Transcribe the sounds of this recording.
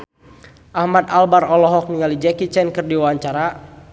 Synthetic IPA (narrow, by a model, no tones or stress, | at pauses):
ʔahmat̪albaɾɔlɔɦɔk̚niŋalid͡ʒɛkit͡ʃɛnkɨrdiwawaɲt͡ʃaɾa